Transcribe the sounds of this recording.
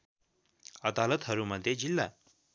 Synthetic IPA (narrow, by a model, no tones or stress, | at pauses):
əd̪alət̪ɦəɾuməd̪ʱjed͡ʑilːa̰